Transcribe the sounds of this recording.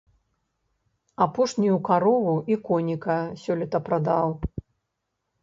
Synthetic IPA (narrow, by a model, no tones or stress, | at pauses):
apɔʂnʲijukaɾɔvuikɔnʲikɐsʲɔlʲit̪ɐpɾad̪aw